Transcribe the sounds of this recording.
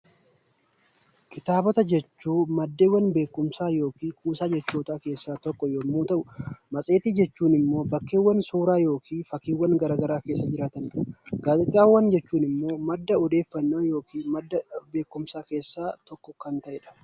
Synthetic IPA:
kɪt̪aːbɔt̪ɐd͡ʒɛt͡ʃːuːmɐd̪ːeːwːɐnbe̞ːkːʊmsaːjo̞ːkiːkʰuːsaːd͡ʒɛt͡ʃːoːt̪aːke̞ːsːaːt̪ɔkːɔjoːmːuːt̪ɐʔʊmɐsʼeːt̪ɪd͡ʒɛt͡ʃːuːnɪmːo̞ːbɐkːeːwːɐnsuːɾaːjo̞ːkʰiːnfɐkːiːwːɐnɡɐɾaːɡɐɾaːke̞ːsːɐd͡ʒɪɾaːt̪ɐnᶑɐɡ̥aːd͡ʒɛt͡ʃ̪ʼːaːwɐnd͡ʒɛt͡ʃːuːnɪmːo̞ːmɐd̪ːɐɔd̪e̞ːfːɐnːoːjo̞ːkʰiːnmɐd̪ːɐbe̞ːkːʊmsaːkeːsːaːt̪ɔkːɔkɐnt̪ɐʔɛᶑɐ̥

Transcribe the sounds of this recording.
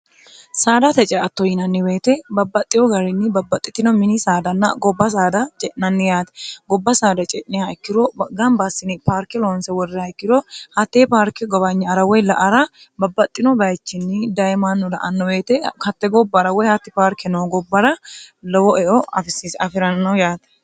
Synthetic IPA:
saːd̪ɐt̪ɛt͡ʃʼɛɐt̪ːɔjɪnɐnːɪweːt̪ɛbɐbːɐt̪ʼːɪjɔɡɐɾɪnːɪbɐbːɐt̪ʼːɪt̪ːɪnɔmɪnisaːd̪ɐnːɐ̰ɡɔbːɐs̬aːd̪ɐt͡ʃʼɛʔnɐnːɪjaːt̪ɛ̥ɡɔbːɐsaːd̪ɐt͡ʃʼɛʔnɪjaɛkːɪɾɔɡɐmbɐsɪnɪpaːɾkɛlɔnsɛwɔrːɪɐɛkːɪɾɔhɐt̪ːepaːɾkɛɡɔbɐɲːɛɐɾɐwɔjlɐʔɐɾɐ | bɐbːɐt̪ʼːɪnɔbɐjt͡ʃːɪnːɪd̪ɐjmanːʊlɐʔɐnːɔweːt̪ɛkɐt̪ːɛɡɔbːɐɾɐwɔjhɐt̪ːɪpaːɾkɛnɔɡɔbːɐɾɐlɔwɔʔɛʔɔɐ̰fɪsɪsɐfɪɾɐnnːɐjaːt̪ɛ̥

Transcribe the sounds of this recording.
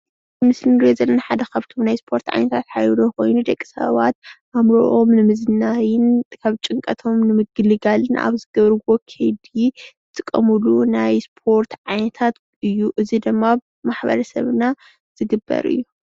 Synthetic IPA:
mɨslɨnɾezɐlːɐnaħad̪ɐkʰaβt̪ʰo̞mnajspʰo̞ɾt̪ʕa̰jnɐt̪ʰat̪ħa̰jd̪oko̞̰jnud̪ɐkʼːi̥sɐ̰βa̰t̪ʔamɾoʔomnɨmɨzɨnajɪnkʰaβt͡ʃʼɨŋkʼɐt̪ʰo̞mnɨmɨɡɨlɨɡalɨnʔa̰βzɨɡɐβɾɨwokʰed̪izɨt̪ʼɨkʼːɐmɨlunajspʰo̞ɾt̪ʰʕajnɐt̪ʰat̪ | ɨjːuʔɨzid̪ɨmːa | maħbɐ̰ɾɐsɐ̰βna | z̥ɨɡɨbːɐ̰ɾɨ̰jːu

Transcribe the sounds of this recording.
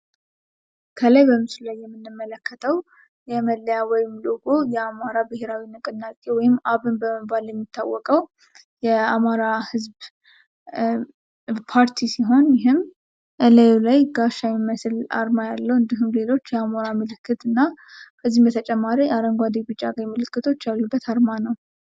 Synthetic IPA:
kʰələjbəmɨslajːɛmːɨnːɨmːələkːət̪ʰəw | jɛməlːəjawɔjɪmloɡojɛamaɾabɨhe̞ɾawinɨkʼɨnːatʼewɔjɪmaβɨnbəməbaljɛmːit̪ʰːawːɔkʼəw | jɛamaɾahɨzb | pʰaɾt̪ʰisiɦo̞njɪɦɨm | ʔəlajulajɡaʃamiməsla̰ɾmajalːəwɨnd̪iɦumle̞lo̞t͡ʃːjɛamoɾamɨlɨkʰːɨt̪ɨnːabəzːihmbət̪ʰət͡ʃʼɛmːaɾijaɾəŋɡʷwad̪ebɨt͡ʃʼaɡajmɨlɨkːɨt̪ʰo̞t͡ʃːjalːubːət̪ʰaɾmanəw

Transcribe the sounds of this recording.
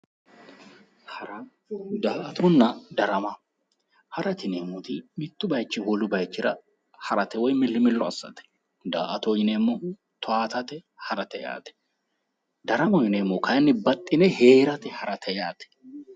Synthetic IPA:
hɾɐ | d̪aːʔɐt̪ʰɔnːɐd̪ɐɾɐmɐ | hɐɾɐt̪ɪneːmːʊt̪ɪmɪt̪ːʊbɐjt͡ʃːɪwɔlʊbɐjt͡ʃːɪɾɐ | hɐɾɐt̪ɛwɔjmɪlːɪmɪlːɔɐ̰sːɐ̰t̪ɛ̥ | d̪a̰ːʔɐt̪ɔjɪnemːɔ | t̪ʰɔaːt̪ɐt̪ɛ | hɐɾɐt̪ɛja̰ːt̪ɛ̥ | d̪ɐɾɐmɐɪnemːɔkɐjnːɪbɐt̪ʼːɪnɛheːɾɐt̪ɛhɐɾɐt̪ʰɛjaːt̪ɛ̥

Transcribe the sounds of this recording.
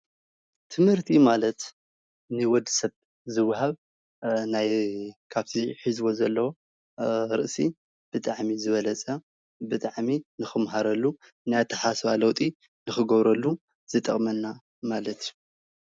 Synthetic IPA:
t̪ʰɨmhɨɾt̪ʰimalɐt̪ | nɨwɔd̪sɐβ | zɨwːɦaβ | najkʰaβt̪ʰiħizbo̞zɐlːɐwo | ɾɨʔsi | b̥ɨt̪ʼaʕmizɨβɐlɐt͡sʼɐ | bɨt̪ʼaʕminɨxɨmɦaɾɐlːu | najat̪ʰɐħasβalɐwt̪ʼi | nɨxɨɡɐβɾɐlːu | z̥ɨt̪ʼɐ̰χʼmɐnːa | malɐt̪ʰju

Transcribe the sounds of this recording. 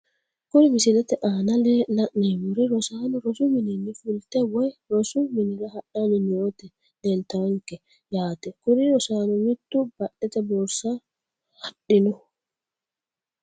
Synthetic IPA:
kʊɾɪmɪsɪlɛt̪ɛʔaːnɐlɛlɐʔnemʊɾɪɾɔsaːnɔɾɔsʊmɪnɛnːɪfʊlt̪ɛwɔjɾɔsʊmɪnɪɾɐhɐɗanɛnoːt̪ɛ | dɛnt̪aŋkɛ | jaːt̪ɛkʊɾɪɾɔsaːnɔmɪt̪ːʊbɐɗɛt̪ɛbɔɾsa | hɐɗːɪnɔ

